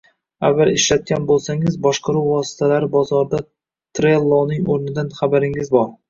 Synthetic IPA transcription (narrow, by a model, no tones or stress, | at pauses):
a̰vːalɪʃlat̪̚kʲanbolˠsaŋɪzbɒʃqʰɑɾuwvɒsɪ̥t̪ʰalaɾɪbɒzɒɾd̪a | t̪ʰɾelˠːonɪŋoɾnɪd̪anχabaɾɪŋɪzbɒɾ